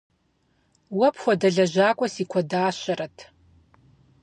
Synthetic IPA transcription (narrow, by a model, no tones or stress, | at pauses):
wɐpʰχʷadɐɮɐʒʷaːkʷʼɔsikʷʰadaːʃʷɐɾɐtʰ